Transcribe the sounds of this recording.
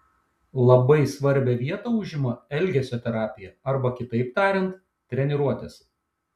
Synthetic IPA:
lˠɐbɐɪsʋɐɾʲbʲɛʋʲiɛt̪oːʊʒʲɪmoɛlʲɡʲɛsʲoːt̪ʲɛɾɑːpʲɪjɛɐɾbɐkʲɪt̪ɐɪpt̪ɑːɾʲɛnt̪ | t̪ʲɾʲɛnʲɛɾuɔt̪ʲɛs

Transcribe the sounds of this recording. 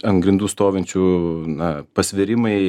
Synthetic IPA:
ɐnɡɾʲɪnd̪uːst̪oːʋʲɛnʲt͡ʃʲuːnɐpɐsʲʋʲɪɾʲɪmɐɪ

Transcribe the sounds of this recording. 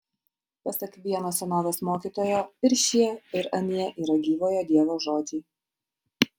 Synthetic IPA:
pɐsʲɐkʋʲiɛnoːsʲɛnoːʋʲɛːsmoːkʲiːt̪oːjoːɪɾʲʃʲiɛɪɾɐnʲiɛʔiːɾɐɡʲiːʋoːjɛd̪ʲiɛʋoːʒoːd̪ʲiː

